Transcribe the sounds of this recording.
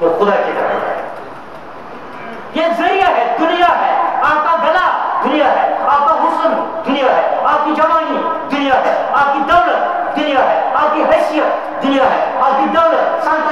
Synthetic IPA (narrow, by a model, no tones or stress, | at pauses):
oxʊd̪akea̰ḛ | jezɐɾijaɦɛd̪ʊnɪjaɦɛaːk̪ãɡɐlad̪ʊnɪjaɦɛːaːk̪aɦʊsənd̪ʊnɪjaɦɛaːp̚kid͡ʒɐʋãːɡi | d̪ʊnɪjaɦɛaːkid̪ɐwlət̪̚ | d̪ʊnijaɦɛaːkiɦɛːsijət̪ | d̪ʊnɪjaɦɛaːk̪id̪ɐwlət̪sɐ̃nt̪